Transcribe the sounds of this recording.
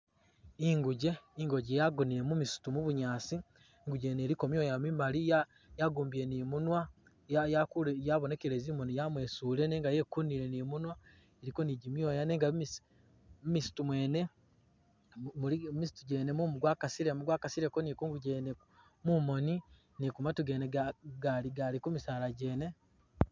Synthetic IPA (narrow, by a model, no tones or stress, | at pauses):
iŋɡuɟe̞iŋɡo̞ɟejaɡuniɾe̞mumisu̥tumuβuɲaːsi | ŋɡuɟe̞ːne̞ːɾiko̞mjo̞ːjamimalija | jaɡuːmbiɾe̞nimunwa | jajakujaβone̞keɾeziːmo̞nijamwe̞ːsuːle̞ne̞ːŋɡaje̞kuniɾe̞niːmunwa | eɾiko̞niɟimjo̞ːjane̞ːŋɡami | misi̥tumwe̞ːne̞ | mulimisi̥tuɟe̞ːnemumuɡwakasiɾemuɡwaːkasiɾekonikuŋɡuɟeːnek | mumo̞ni | nikumatuɡe̞ːneaɡaliɡalikumisaːlaɟe̞ːne̞